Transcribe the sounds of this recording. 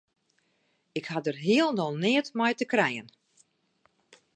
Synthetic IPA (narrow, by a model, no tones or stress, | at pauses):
ɪkhadərɦiəlˠnɔlˠnɪətmɛjtəkrɛjən